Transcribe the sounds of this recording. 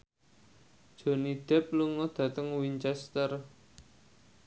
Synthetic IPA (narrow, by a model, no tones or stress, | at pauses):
ʒ̥o̤nid̪̥ɛp̚luŋɔd̪̥ä̤t̪əŋwiɲt͡ʃɛst̪ər